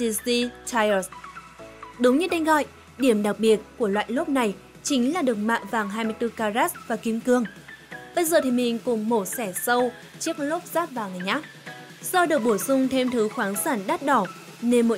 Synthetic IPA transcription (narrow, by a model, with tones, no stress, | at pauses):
ɗi˧si˧t̪ʰa˧jə˨˩s | ɗʊ˨˦wŋ͡mɲɨ˧ɗa˧jŋ̟ɣɔ̰˧˨j | ɗi˧˩əmɗa˨˩k̚ɓi˨˩ət̚ku˧˩əlwa̰ː˧˨jlo˦˥p̚na˨˩j | t͡ɕï˨˦ŋ̟laː˨˩ɗɨ˨˩ək̚ma̰ː˧˨mvaː˨˩ŋɦaː˧jmɨ˧ət̪ɨ˧kaː˧zaː˦˥s̚vaː˨˩ki˨˦əmkɨ˨˧˩əŋɓə˧jzəː˨˩t̪ʰi˨˩mï˨˩ŋ̟kʊ˨˩ŋ͡mmo˧˩t̚sɛ˧˩sə˧w | t͡ɕi˦˥ək̚lo˦˥p̚z̥aː˦˥t̚vaː˨˩ŋa˨˩jʔaː˦˥t̚ | zɔ˧ɗɨ˨˩ək̚ɓo˧˩jsʊ˧ŋ͡mt̪ʰe˧mt̪ʰɨ˨˦xwaː˨˦nsaː˧˩nɗaː˦˥t̚ɗɔ˧˩ | ne˧nmo̰˧˥